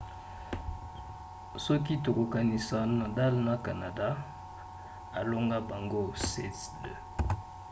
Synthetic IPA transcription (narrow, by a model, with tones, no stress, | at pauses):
sɔ˦ki˦to˨ko˨ka˨ni˨sa˨na˨da˦lna˨ka˨na˨da˦ | a˨lo˦ŋɡa˦ba˨ŋɡo˦sɛ˦tdə˨